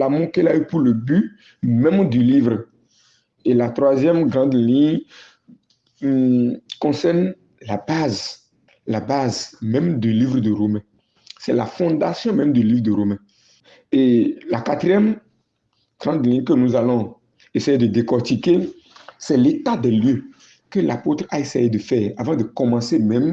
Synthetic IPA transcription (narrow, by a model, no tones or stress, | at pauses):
lamõkɛlaypuɾləby | mɛ̃md̪ylivɾ | elat̪ʁwazjɛmɡɾɑ̃d̪lĩɲ | kɔ̃sɛʁn | labaz | labazmɛ̃md̪ylivɾd̪əɾomɛ̃ | sɛla̰fɔ̃d̪asjɔ̃mɛ̃md̪ylivd̪əɾomɛ̃ | elakat̪ɾijɛm | ɡ̥ɾɑ̃d̪lĩɲkənuzalɔ̃ | esejed̪əd̪ekɔʁt̪ike | sɛlet̪ad̪ɛljø | kəlʔapot̪ɾaesejed̪əfɛːʁavɑ̃d̪əkɔmɑ̃semɛ̃m